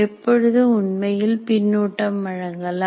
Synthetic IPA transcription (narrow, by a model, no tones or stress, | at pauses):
ɛpːɔɻɯðɯʊɳmɐjɪlpɪnːuːʈːɐmːɐɻɐŋɡɐɭ